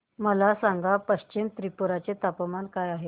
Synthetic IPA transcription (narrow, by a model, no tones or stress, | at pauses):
məlasaŋɡapəɕt͡ɕimt̪ɾipuɾat͡set̪apəmankajaɦe